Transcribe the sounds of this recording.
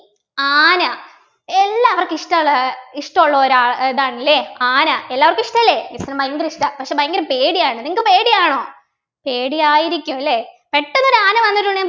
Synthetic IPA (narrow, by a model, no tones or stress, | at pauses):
aːnɐ | elːaːɐʋɐrkiʂʈɐɭːɐiʂʈɐmoɭːɐoɾaːɭeðaːɳilːeːaːnɐelːaːʋɐrkiʂʈɐlːeːisɐnɐmbɐjŋɡɐɾiʂʈɐpɐkʂeːbɐjŋɡɐɾɐpeːɽijaːɳɨniŋɐkːɨpe̞ːɽijaːɳo̞ː | pe̞ːɽijaːjiɾikʲːuɐlːepeʈːɐnːoɾuaːnɐʋɐnːiʈ̬ːuɳɖeja